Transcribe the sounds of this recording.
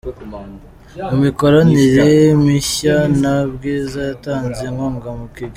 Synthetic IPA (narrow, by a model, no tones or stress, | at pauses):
mumiko̞ɾaniɾemiçanabɡiːzajataːnzeŋoːŋɡamukiɡ